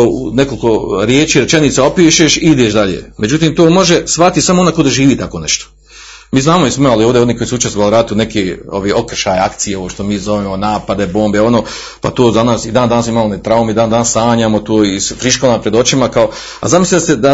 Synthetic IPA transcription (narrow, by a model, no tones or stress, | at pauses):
ṵneko̞lko̞ɾjeːt͡ʃiːɾet͡ʃeniːt̪sao̞piːʃeʃiid̪eʃd̪aʎḛme̞d͡ʒut̪iːmt̪oːmo̞ʒesʋat̪isamoond̪akod̪oʒiːʋiːt̪ako̞ːnḛʃt̪o̥ | miːznaːmoismealioʋd̪eo̞niːko̞iːsuut͡ʃest̪oʋalɾat̪une̞kio̞ʋiːʔo̞kr̩ʃaːjakt̪sijeo̞ʋoʃt̪o̞miːzo̞ʋeːmonaːpad̪e̞bo̞ːmbeo̞noː | pa̰t̪oːzanaːsid̪aːnd̪anaːsmimalˠonet̪ɾaumid̪aːnd̪anasaːɲaːmot̪oːisfɾiʃkolapɾed̪o̞t͡ʃimakao̞ | a̰zamislised̪a